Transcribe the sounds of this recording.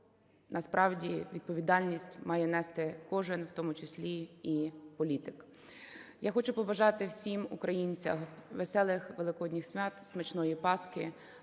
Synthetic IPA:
nʔɐspɾʔɑwdʲiʋʲid̪̚pɔʋʲid̪ɑlʲnʲisʲtʲmɑjɛnɛst̪ɪkɔʒɪnwt̪ɔmʊt͡ʃesʲlʲiipɔlʲit̪ɪk | jaxɔt͡ʃʊpɔbɐʒɑt̪ɪwsʲimṵkɾɐjinʲt͡sʲɐ̰xʋesɛlˠɪxʋelˠɪkɔɔdʲnʲixsʲmʲɑt̪smet͡ʃnɔjipɑskɪ

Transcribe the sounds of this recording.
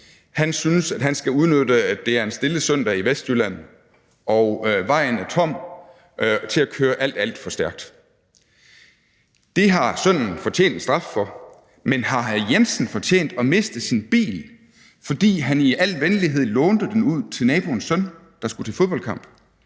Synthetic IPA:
hænsynəsæd̥ɦænsɡ̥æuðˠnød̥əæd̥d̥e̝æɐe̝nsd̥e̝ləsœn̰d̥ɐiʋesd̥jylæn̰ð̩ | ʔɒʊʋɑ̈ɪ̰n̩æt͡sʰɒ̽m̰ | t͡sʰe̝lækʰøːɐʔæl̰d̥æl̰d̥fɒ̽sd̥æɐɡ̥̚d̥ | d̥e̝ɦɑ̈sœn̰n̩fɒ̽t͡ɕʰḛːnd̥sd̥ʁɑ̈ffɒ̽ | menhɑ̈jensn̩fɒ̽t͡ɕʰḛːnd̥ɒ̽me̝sd̥ð̩ˠsinb̥ḭːl | fɒ̽d̥ḭːɦæniʔæl̰ʋenliɦe̝ð̞̰ˠlɔːnd̥ð̩ˠd̥enuð̞̰ˠt͡sʰe̝lnɛːb̥o̝nsœn̰ | d̥ɑ̈sɡ̥ut͡sʰe̝lfoðˠb̥ɒ̽l̰kʰɑ̈m̰b̥

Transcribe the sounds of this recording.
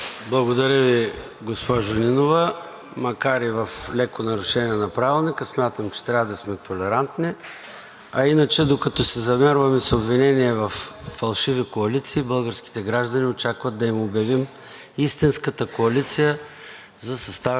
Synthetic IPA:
blˠɐɡod̪ɐɾʲəvi | ɡospɔʒʊlinovə | mɐkaɾivɐflɛkonɐɾʊʃɛniɛnɐpɾavilˠnikəsmʲjat̪əmt͡ʃɛ̥t̪ɾʲavəd̪ɐsmɛt̪olɛɾant̪ni | ɐinət͡ʃɛd̪okɐt̪ɔsɛzɐmɛɾvəmɛsobvinɛniɛvɐfːɐlˠʃivikoɐlit̪siːbəlˠɡəɾsk̟i̥t̪ɛɡɾaʒd̪ɐniot͡ʃakvət̪̚d̪ɐimobjɐvim | ist̪inskət̪əkoɐlit̪sijə | zɐsɐst̪a

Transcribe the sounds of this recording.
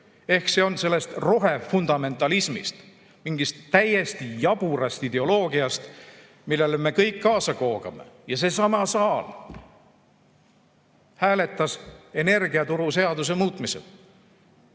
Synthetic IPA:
e̞hkse̞o̞nse̞lːe̞st̪ro̞ɦe̞fund̪̥ɑme̞nt̪ːˑɑlismḭst̪ | miŋɡ̥ist̪ːæje̞st̪ijɑb̥uɾɑst̪id̪e̞o̞lo̞ːɡiɑst̪ | milːe̞lme̞kɤjkːɑːsɑko̞ːɡ̥ɑme̞̰jɑse̞sɑmɑsɑːl | hæːle̞t̪ːˑɑse̞ne̞rɡ̥iɑt̪uɾuse̞ɑd̪use̞muːt̪ˑmisel

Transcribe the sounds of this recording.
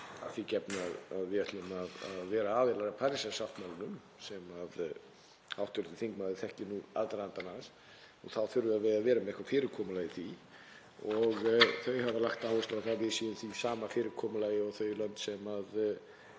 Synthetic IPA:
a̰ðθicɛpnaðaðvjɛt̪lmaða̰ðvɛːɾaaːvɪlaɾapʰaɾisasaft̪malnʏm | sɛmað | awht̪ʏɾt̪ɪθiŋkmaðɪθɛhcɪnua̰lt̪aɾant̪anas | ɔθawθʏɾvʏaðvɪðaðvɛːɾamɛðɪhkvaɾfɪːɾɪɾkʰɔːmʏlaːjɪθi | ɔɣθœɥhavalaxt̪aːwlɪsaθavɪðsiːʏnθisaːmafɪːɾɪɾkʰɔːmʏlaːjɪɔɣθœɥlœnt̪sɛmað

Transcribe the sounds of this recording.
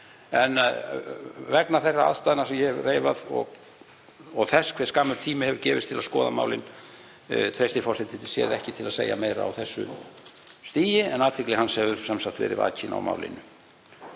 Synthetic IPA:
ɛn | vɛknaθerːaa̰ðst̪aðnasɛmjɛreːjvaðɔ̰ɣ | ɔɣθɛskʰv̥ɛ̥skaːmʏɾt̪ʰiːmɪhɛvʏɾcɛːvɪst̪ʰːɪlaðskɔːðamaːwlɪn | t̪ʰɾejst̪ɪfɔrsɛt̪ɪsjɛ̰ɾðɛhcɪt̪ʰɪlaðsḛːja̰mejɾa̰a̰wθɛsːʏ̰ | st̪iːjɪɛnaːt̪ʰvɪklɛhanːsɛvʏɾsamsakt̪vɛ̰ːɾɪ̰va̰ːcɪna̰wma̰ːwlɪ̰nʏ

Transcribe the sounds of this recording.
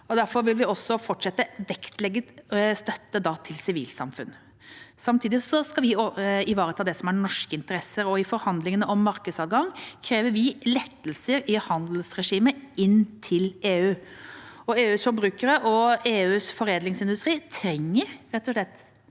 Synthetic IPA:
ɔd̪æɾfɔɾʋɪlʋɪɔsːɔfɔʈʂɛt̪ːəʋɛkt̪ʰlɛɡːət̪st̪œt̪ːəd̪ɑt̪ʰɪlsɪʋiːlsɑ̰mfʉ̰n | sɑmt̪ʰiːd̪ɪsɔskɑʋɪɪʋɑːɾət̪ʰɑːd̪ɛsɔmæɾɳɔʂkəɪnt̪əɾɛsːəɾɔɪfɔɾhɑnd̪lɪŋənəʔɔmːɑɾkəd̪sɑːt̪ɡɑŋkʰɾeːʋəɾʋɪlɛt̪ːəlsəɾɪhɑnd̪l̩sɾɛʂiːməɪnt̪ʰɪleːʉː | ɔeːʉːsfɔɾbɾʉːkəɾəʔɔeːʉːsfɔɾeːd̪lɪŋsɪnd̪ʉst̪ɾiːt̪ʰɾɛŋːəɾɾɛt̪ːɔʂɭɛt̪ː

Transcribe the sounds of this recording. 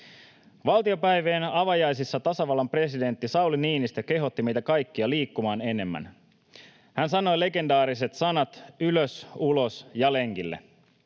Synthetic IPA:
ʋɑlt̪io̞pæjʋeːnɑʋɑjɑjsisːɑt̪ɑsɑʋɑlːɑmpre̞side̞nt̪ːisɑwliniːnist̪ɑke̞ɦo̞t̪ːimejt̪ækɑjkːiɑliːkːumɑːne̞ne̞mːæ̰n | hænsɑno̞jle̞ɡe̞ndɑːɾiset̪sɑnɑt̪yløsulo̞sjɑle̞ŋkilːḛ

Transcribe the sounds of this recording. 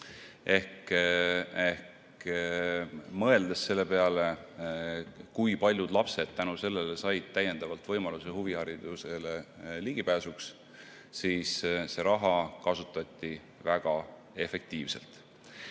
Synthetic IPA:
ʔe̞hk | ehk | mɤ̞e̞ld̪esːe̞lːe̞pe̞ɑle̞ | kujpɑlʲjud̪̥lɑpse̞d̪̥̚t̪ænuse̞lːe̞lesɑjd̪̥̚t̪æje̞nd̪̥ɑvɑlt̪vɤjmɑlusehuvihɑɾid̪̥useleliɡ̥ipæːsuks | siːsse̞ɾɑɦɑkɑsut̪ːˑɑt̪ʲːi | væɡ̥ɑ | e̞fe̞k̚t̪iːvselt̪ˑ

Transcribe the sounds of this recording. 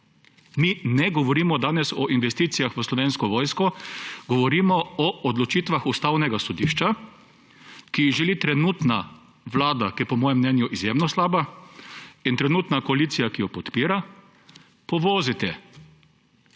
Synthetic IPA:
minɛɡɔʋɔɾiːmɔd̪aːnɛsɔʔinʋɛst̪iːt̪sijaxʋəslɔʋeːnskɔʋɔːjskɔɡ̥ɔʋɔɾiːmɔɔʔɔd̪lɔt͡ʃiːt̪ʋaxust̪aːwnɛɡasɔd̪iːʃt͡ʃa | kiʒɛlit̪ɾɛnuːt̪na | ʋlaːd̪akijɛpɔmɔːjɛmːnɛːnjuʔizjeːmnɔslaːba | int̪ɾɛnuːt̪nakɔaliːt̪sijakijɔpɔt̪piːɾa | pɔʋɔːzit̪ɛ

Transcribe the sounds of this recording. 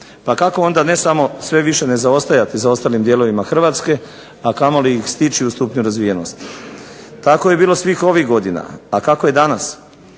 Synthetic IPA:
pakako̞o̞nd̪ane̞samo̞sʋe̞ʋiʃe̞ne̞zao̞st̪ajat̪isao̞st̪alimd̪je̞lo̞ʋimaxr̩ʋaːt̪ske̞ | akamo̞lijixst̪it͡ʃiust̪upɲuɾazʋijeno̞st̪i̥ | t̪ako̞je̞biːlo̞sʋixo̞ʋiɣɡo̞d̪ina̰akakoje̞d̪anas

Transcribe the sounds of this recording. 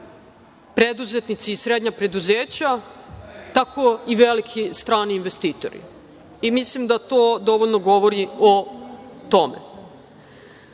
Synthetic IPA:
pɾed̪uzet̪nit̪siːsɾed̪ɲapɾe̞d̪uzeːt͡ɕa | t̪akʰo̞iʋe̞likʰist̪ɾaːniːnʋe̞st̪iːt̪o̰ɾḭ | imislimd̪at̪od̪o̞ʋo̞ʎnoɡo̞ʋoɾiot̪o̞mḛ

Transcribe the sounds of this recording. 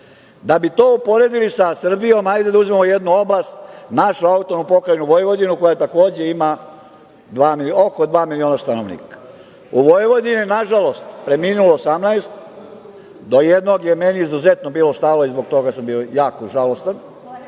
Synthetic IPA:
d̪abit̪oːupo̞ɾed̪ilisasr̩bijo̞majd̪ed̪auzimamojed̪nuo̞blˠast̪naʃuaut̪onupo̞kɾajnuʋo̞jʋo̞d̪inuko̞jat̪ako̞ːd͡ʑe̞ima | d̪ʋaːmiokod̪ʋaːmilioːnast̪ano̞ʋnḭːkḁ | uʋojʋo̞d̪ininaʒalo̞st̪pɾe̞miːnuloːsamnaest̪ | d̪o̞jed̪no̞ɡjemeniizuzet̪nobiːlo̞st̪alo̞izboɡ̚t̪o̞ɡasambiojaːkoʒalo̞st̪an

